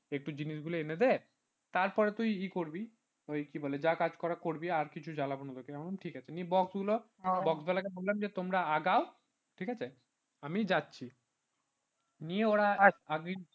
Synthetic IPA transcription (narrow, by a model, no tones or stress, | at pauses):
ek̚ʈud͡ʑiniʃɡuloened̪ɛe | t̪aɾpɔɾet̪ujikoɾbi | ojkiboled͡ʑakad͡ʑkɔɾakoɾbiaɾkit͡ɕʰud͡ʑalabonod̪okeɛmonamʈʰikat͡ɕʰenibɔksɡulo | bɔksbɛlakebollamd͡ʑet̪omɾaaɡao | ʈʰikat͡ɕʰe | amid͡ʑatːɕʰi | nijeoɾaaɡi